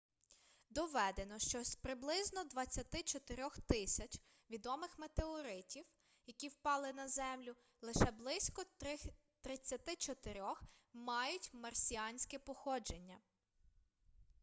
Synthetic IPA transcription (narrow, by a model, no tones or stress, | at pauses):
d̪ɔʋɛd̪enɔʃt͡ʃɔspɾɪblˠɪznɔd̪ʋɐt͡sʲːɐt̪ɪt͡ʃɔt̪ɪɾʲɔxt̪ɪsʲɐt͡ʃ | ʋʲid̪ɔmɪxmet̪eɔɾɪtʲiw | jɐkʲiwpɑlˠɪnɐzɛmlʲʊ | lˠɪʃɛblˠɪsʲkɔ | t̪ɾɪt͡sʲːɐt̪ɪt͡ʃɔt̪ɪɾʲɔxmɑjʊtʲmɐrsʲiɑnʲsʲkɛpɔxɔd͡ʒe̞nʲːɐ